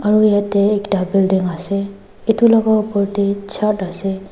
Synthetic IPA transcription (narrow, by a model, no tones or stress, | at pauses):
aɹuijatɛːkʈabɛldiŋasɛ | ɛtulɔɡaɔpɔɹtit͡ʃʰatasɛ